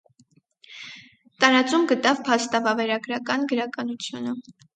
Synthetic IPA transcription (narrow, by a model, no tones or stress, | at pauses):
t̪ɑɾɑt͡sumɡət̪ɑvpʰɑst̪ɑvɑvɛɾɑɡɾɑkɑnɡəɾɑkɑnut͡sʰjunə